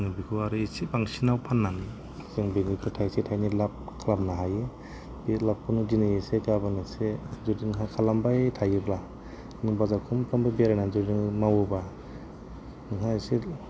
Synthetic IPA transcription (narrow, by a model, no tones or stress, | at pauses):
ŋɯbikʰuaɾɯisipaŋsinawpʰanːan | zɯŋbiŋikʰutʰajsitʰajnilap̚kʰalap̚naɦaje | bilap̚kʰunuzinajesekabanɯsezɔdiŋɦakʰalambajtʰajɯbla | nɯŋbazakʰumkʰambabiaɾananzɔdiŋmawɯba | nɯŋɦasi